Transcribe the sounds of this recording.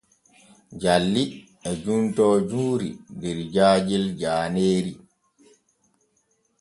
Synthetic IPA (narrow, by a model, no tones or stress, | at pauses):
d͡ʒalːi | ɛd͡ʒuntɔːd͡ʒuːɾḭdɛɾd͡ʒaːd͡ʒild͡ʒaːneːɾi